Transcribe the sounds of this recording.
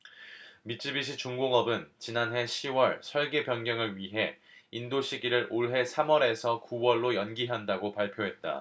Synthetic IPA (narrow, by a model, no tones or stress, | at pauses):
mit͡ɕʰibiɕ̬ʰit͡ɕuŋɡoŋʌbɯnt͡ɕinanɦe̞ɕʰiwʌɭsʰʌɭɡe̞pjʌnɡjʌŋɯɭɥiɦe̞indoɕʰiɡiɾɯɾʔoɭɦe̞sʰamwʌɾe̞sʰʌkuwʌɭːojʌnɡiɦandaɡopaɭpʰjoɦe̞t̚t͈a̰